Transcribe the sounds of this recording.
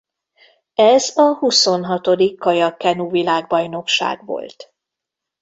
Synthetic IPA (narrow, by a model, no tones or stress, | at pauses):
ɛzɒhuso̞nɦɒt̪o̞d̪ikːɒjɒkːɛnuvilaːɡbɒjno̞kʃa̰ːɡʋo̰lt̪